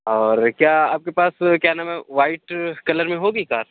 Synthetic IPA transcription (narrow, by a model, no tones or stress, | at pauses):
ɔːɾkjaːaːp̚kepaːskjaːnamɛʋaːɪʈkɐləɾmẽɦoːɡiːkaːɾ